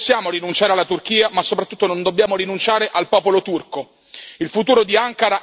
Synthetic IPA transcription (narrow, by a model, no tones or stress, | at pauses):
sːjaːmoɾinunt͡ʃaːɾealːat̪urk̟iːamasːopɾat̪ːut̪ːonond̪obːjaːmoɾinunt͡ʃaːɾeʔalpɔːpolot̪urko | ilfut̪uːɾod̪iaŋkaɾa